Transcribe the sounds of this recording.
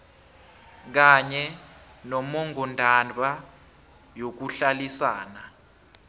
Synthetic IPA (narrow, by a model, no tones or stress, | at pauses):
k̬aɲɛ | nɔmɔŋɡɔndʱanɓa | jok̬uɬalisaːna